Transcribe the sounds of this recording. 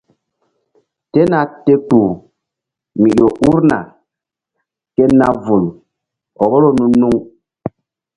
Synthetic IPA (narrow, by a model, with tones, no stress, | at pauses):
tɛ˦na˨te˦ku˨ | mi˨ɗo˨ʔu˦ɾna̰˨ | kɛ˦na˦vu˨l | ɔ˨bɔ˦lo˦nu˦nu˦ŋ